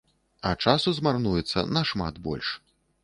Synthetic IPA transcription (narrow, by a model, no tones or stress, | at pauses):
ɐt͡ʂasuzmarnujɛt̪sːɐ̰nɐʂma̰d̪bɔ̰lʲʂ